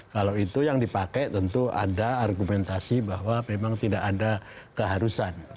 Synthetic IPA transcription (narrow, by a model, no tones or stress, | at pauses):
kalawit̪ujaŋdipakɛt̪ənt̪ua̰daːrɡumɛnt̪asibahwamemaŋt̪idakada | kəɦaɾusan